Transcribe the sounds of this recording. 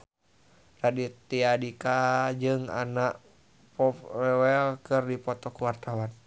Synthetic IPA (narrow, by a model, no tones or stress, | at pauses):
radit̪iadikad͡ʒɨŋa̰naʔ | pɔɛwɛlkɨrdipɔt̪ɔkuwart̪awan